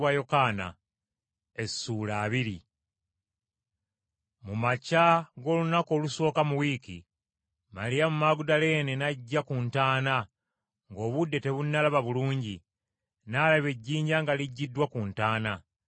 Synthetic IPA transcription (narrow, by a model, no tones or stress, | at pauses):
wajo̞kaːna̰ | e̞sːuːlaːβiɾi | mumacaɡo̞ːlunako̞ːluso̞ːkamuwikḭ | malijamumaɡudale̞ːne̞naɟːakuntaːna | ŋɡo̞ːβudːe̞te̞βunːalaβaβuluːɲɟi | nalaβe̞ɟːiːɲɟaŋɡaliɟːidːwakuːntaːna